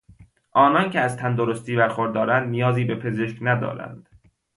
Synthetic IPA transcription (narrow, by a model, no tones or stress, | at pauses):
ʔɒːnɒːncʰeæzt̪ʰænd̪oɾost̪ʰiːbæɾxoɾd̪ːɒːɾænd̪nijɒːziːbe̞pʰe̞ze̞ʃcnæd̪ɒ̰ːɾæ̰nd̪̥